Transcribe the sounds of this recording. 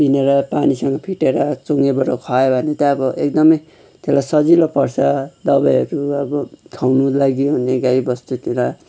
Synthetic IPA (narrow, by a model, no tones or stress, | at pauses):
bineɾʌpanisʌŋɡʌpʰiʈeɾʌt͡soŋɡebʌɾokʰʌebʱʌnet̪ʌʌbʌʔek̚d̪ʌmʌj | t̪elajsʌd͡zilopʌrsʰʌd̪ʌbajʌɾuʌbʌkʰawnulaɡiɦunːeɡaibʌst̪ut̪ela